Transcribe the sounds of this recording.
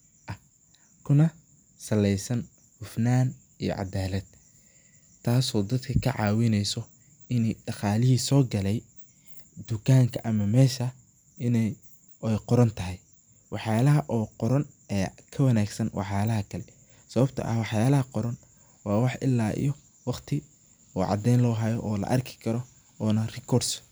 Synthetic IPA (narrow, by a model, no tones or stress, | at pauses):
ʔɐ | kʰʊnɐ | sɐlɛjsɐn | hʊfnaːn | ijɔ̰ʕɑ̰d̪aːlɐd̪̥̚ | t̪ʰːaːsɔːd̪ɐd̪kʰɐkʰɐʕɑ̰ːwɪnɛjsɔ | ɪnɛjɖɑqɑːlɪɦiːsɔːɡɐlɛj | d̪ʊkʰaːŋkʰɐʔɐmɐmɛːʃɐ | ɪn | ɛjqɔɾɐnt̪ʰɐɦɛj | wɑħjaːlɐɦɐʔɔːqɔɾɐn | ʔɛːkʰɐwɐnaːɡsɐnwʔɑ̰ħjaːlɐɦɐkʰɐlɛ | sɐβɐbt̪ʰɐ̰ʔɐ̰wɑħjaːlɐɦɐqɔɾɐn | wɑːwɑħʔɪlːaːʔḭjɔ | wɑqt̪ʰɪ | ɔːʕɑ̰d̪ɛjnlɔːɦɐjɔʔɔːlɐ̰ʔɐrkʰɪ̥kʰɐɾɔ | ɔːnɐrɪkʰɔɾds